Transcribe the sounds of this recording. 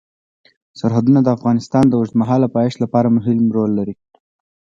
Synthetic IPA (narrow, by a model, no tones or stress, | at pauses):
saɾɦad̪unad̪əafɣɑnɪst̪ɑnd̪əwʊʐt̪maɦɑlapɑjeʃlapɑɾamʊɦɪlmɾolːaɾi